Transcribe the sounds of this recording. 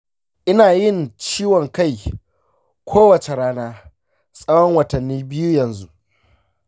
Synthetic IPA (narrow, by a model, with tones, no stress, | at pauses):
ʔɪ˦naː˨jɪ˦˨ŋt͡ʃiː˦wɔ˨ŋka˦˨j | kʷʰoː˦wɐ˨t͡ʃe˨ɾaː˦naː˦ | sʼɐ˦wɔ˦ŋwɐ˨tɐ˨nːiː˦bɪ˦ju˦jɐ˨nzu˦ʔ